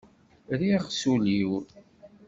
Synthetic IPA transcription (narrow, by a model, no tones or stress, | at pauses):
ɾiʁsuliwɾ